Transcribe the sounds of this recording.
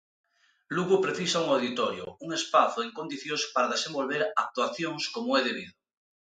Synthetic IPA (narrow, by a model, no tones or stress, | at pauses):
luɣupɾeθisauŋawðit̪oɾjo̰uŋespaθoeŋkond̪iθjospaɾaðesẽmbolβeɾak̚t̪waθjoŋskomoɛðeβ̞iðo